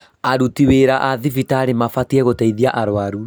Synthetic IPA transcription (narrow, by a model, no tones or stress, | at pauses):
aɾutiweɾaʔaðifitaːɾemafatiɛɣotɛiðiaʔaɾowaɾu